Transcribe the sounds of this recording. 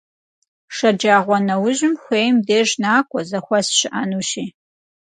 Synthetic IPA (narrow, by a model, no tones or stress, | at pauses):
ʂɐd͡ʒaːʁʷɔnɐwʊʑɪmxʷeːjmdeːʒnaːkʷʰʼɔzɐxʷɐsɕɪʔɐnuːʃiː